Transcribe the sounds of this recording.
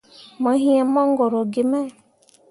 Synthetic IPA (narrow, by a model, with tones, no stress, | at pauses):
ma˨˦ɦi˦e˨mɔ˦ŋ˦ɡɔ˨ɾɔ˨ɡɪ˨mɛ˦˨